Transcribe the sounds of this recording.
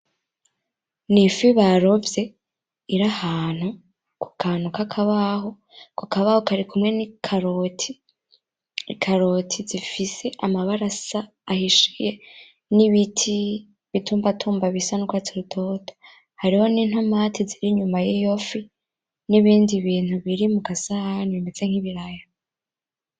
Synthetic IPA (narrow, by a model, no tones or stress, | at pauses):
nifiβaɾo̞vje̞ | iɾahaːn̥hu | ku̥kʰaːn̥ukakʰaβaɦo̞ | kukaβahokaɾikʰumŋe̞nikʰaɾotʰi | ikʰaɾo̞tʰizifise̞ʔamaβaɾasaː | hiʃije | niβitʰi | βituːmbatʰuːmbaβisanukwat͡siɾutʰo̞tʰo̥ | haɾiho̞niːnhamatʰiziɾiɲumajijofi | niβiːndiβiːn̥uβiɾimuɡasaaniinet͡se̞ŋ̥iβiɾaja